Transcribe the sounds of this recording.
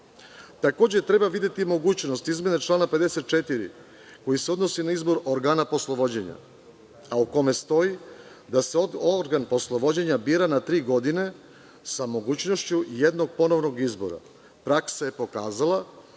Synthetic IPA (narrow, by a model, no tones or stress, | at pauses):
t̪ako̞ːd͡ʑet̪ɾe̞baʋid̪jet̪imo̞ɡuːt͡ɕnost̪izme̞net͡ʃlˠaːnape̞d̪ese̞t̪̚t͡ʃe̞t̪iɾḭ | ko̞jiseo̞d̪no̞sinaizbo̞ɾoɾɡaːnapo̞slˠo̞ʋo̞d͡ʑeɲa̰ | auko̞me̞st̪o̞i | d̪aseoɾɡanpo̞slˠo̞ʋo̞d͡ʑeɲabiːɾanat̪ɾiːɡo̞d̪ine̞ | samo̞ɡuːt͡ɕno̞ʃt͡ɕujed̪no̞ɡ̚po̞no̞ʋno̞ɡizbo̞̰ɾa̰ | pɾaksaje̞po̞kaːzala